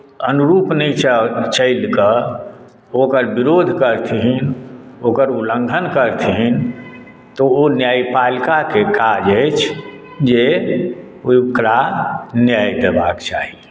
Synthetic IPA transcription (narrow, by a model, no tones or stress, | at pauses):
ənuɾuːpnəit͡ʃt͡ʃəɪlkə | okəɾbiɾod̪ʱkəɾt̪ʰiɦinokəɾulə̃ŋɡʱənkəɾt̪ʰiɦin | t̪ɔonjaːipalkakekad͡ʒəɪt͡ʃʰ | d͡ʒe | okɾanjajd̪ebakt͡ʃa̰ɦi